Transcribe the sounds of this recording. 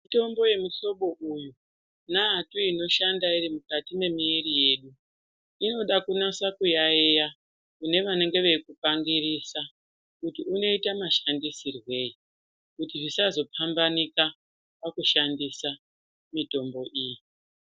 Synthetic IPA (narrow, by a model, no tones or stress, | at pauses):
mito̞mbo̞je̞muɬo̞ɓo̞ʔuju | naatuino̞ʃandairimukatime̞miːrije̞ːɗu | ino̞ɗakunasakujaeja | kune̞ʋane̞ŋɡe̞ʋe̞kupaŋɡirisa | kutiuno̞itamaʃandisirwe̞i | kutiʐisazo̞pʰambanika | pakuʃandisa | mito̞mbo̞ʔiːji